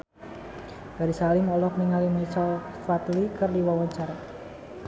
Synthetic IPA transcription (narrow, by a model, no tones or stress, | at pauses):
ɡ̥aɾisalimɔlɔk̚niŋalimit͡ʃalfat̪likərdiwawaɲt͡ʃaɾa